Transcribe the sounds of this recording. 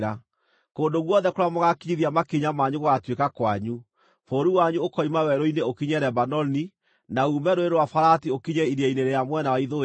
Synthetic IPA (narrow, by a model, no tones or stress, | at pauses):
ɾa | koːndoɣwɔnðɛkoɾamoɣakiɲiðiamakiɲamaɲuɣoɣatwekakwaɲu | foɾuwaɲuokɔimawɛɾoineokiɲɛɾɛbanɔni | naumɛɾoeɾowafaɾatiokiɲɛiɾiaineɾejamwɛnawaiðo